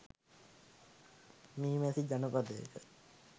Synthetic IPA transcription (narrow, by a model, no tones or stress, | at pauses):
miːmɛsid͡ʒanəpad̪əḛkə̰